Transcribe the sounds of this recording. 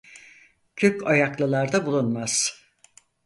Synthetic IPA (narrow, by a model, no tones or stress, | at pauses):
cʰøcajaklˠɯlˠaɾd̪abulˠunmaz̥